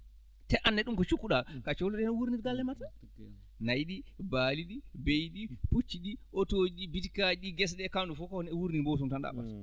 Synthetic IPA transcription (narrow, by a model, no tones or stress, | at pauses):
tɛʔanːɛɗumkɔt͡ʃukːuɗakat͡ʃolɔɗɛnɔwuɾniɾɡalːɛmata | najɗibaːliɗibejɗiput͡ʃːiɗiʔotod͡ʒibitkad͡ʒiɡɛs̬ɗɛkandufɔkɔnɛwuɾnibɔws̬umtanda̰ɓa̰s